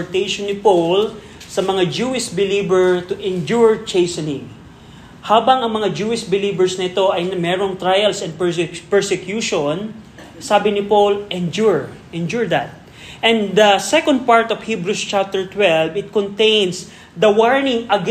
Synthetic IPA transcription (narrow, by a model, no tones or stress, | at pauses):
ɹt̪ejʃõnːɪpowl | sɐmɐŋad͡ʒuːɪsbɪliːbɛɹt̪ʊʔɛ̃nd͡ʒuɹt͡ʃejsɐnɪ̃ŋ | haːbɐŋɐŋmɐŋad͡ʒuɪsbɪliːbɛɹsnɐɪt̪o̞ʔɐjnɐmɛɾoŋt̪ɾajɐlsɛ̃nd̪ppɛɹsɛkjuʃon | saːbɪnɪpowlʔɛ̃nd͡ʒuɹʔɛ̃nd͡ʒuɹd̪ɐt̪̚ | ʔɛ̃nd̪ɐsɛkõnd̪̚paɹt̪ɔvhibɾust͡ʃap̚t̪ɛɹt̪wɛlvɪt̪̚kɔnt̪ẽjns | d̪ɐwaɹnɪŋɐɡ